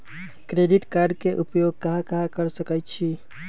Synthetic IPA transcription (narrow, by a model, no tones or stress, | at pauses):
kɾeɖiʈkaɾɖkeʔupjoɡ̚kaɦãkãkəɾsəkət͡ʃʰi